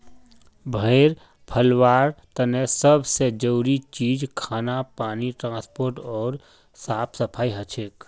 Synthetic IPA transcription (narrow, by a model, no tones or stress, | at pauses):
bʱəːɾ | pʰəlwaːɾt̪ənesəbsed͡ʒəuɾit͡ʃiːd͡ʒkʰaːnapaːniʈɾãːspoːɾʈɔːɾ | saːpʰsəpʰaːiɦət͡ʃʰeːk